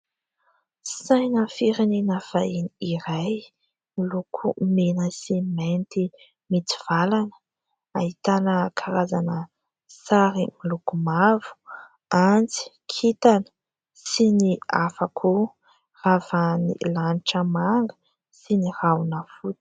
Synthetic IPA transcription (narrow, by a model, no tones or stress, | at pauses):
sajnəfiɾinenəv̥ainiiɾaj | milukʰumenəsiment̪i | mit͡siv̥alanə | ahit̪anəkʰaɾazanə | saɾimilukumavu̥ | ant͡si̥ | kʰit̪anə̥ | siniafakʰu | ravanḭlanʈ͡ʂəmaŋɡə̥ | sinirawnəfut̪